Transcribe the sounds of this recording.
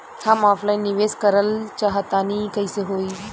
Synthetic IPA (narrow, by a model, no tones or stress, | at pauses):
hamɔflajnːiʋeskəɾəlt͡ɕaɦət̪anikajseɦoi